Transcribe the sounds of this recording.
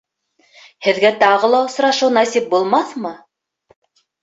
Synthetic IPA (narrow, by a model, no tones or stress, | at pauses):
hɘ̆ðɡæt̪ɑʁɤ̆lˠɑŏs̆ɾɑʃɤwnɑsip̚bulˠmɑθmɤ